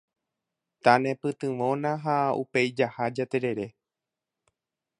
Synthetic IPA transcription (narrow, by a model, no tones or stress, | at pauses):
t̪anẽ̞pɨt̪ɨ̃ʋõ̞nãɦaṵpe̞jd͡ʒahad͡ʒat̪e̞ɾe̞ɾe̞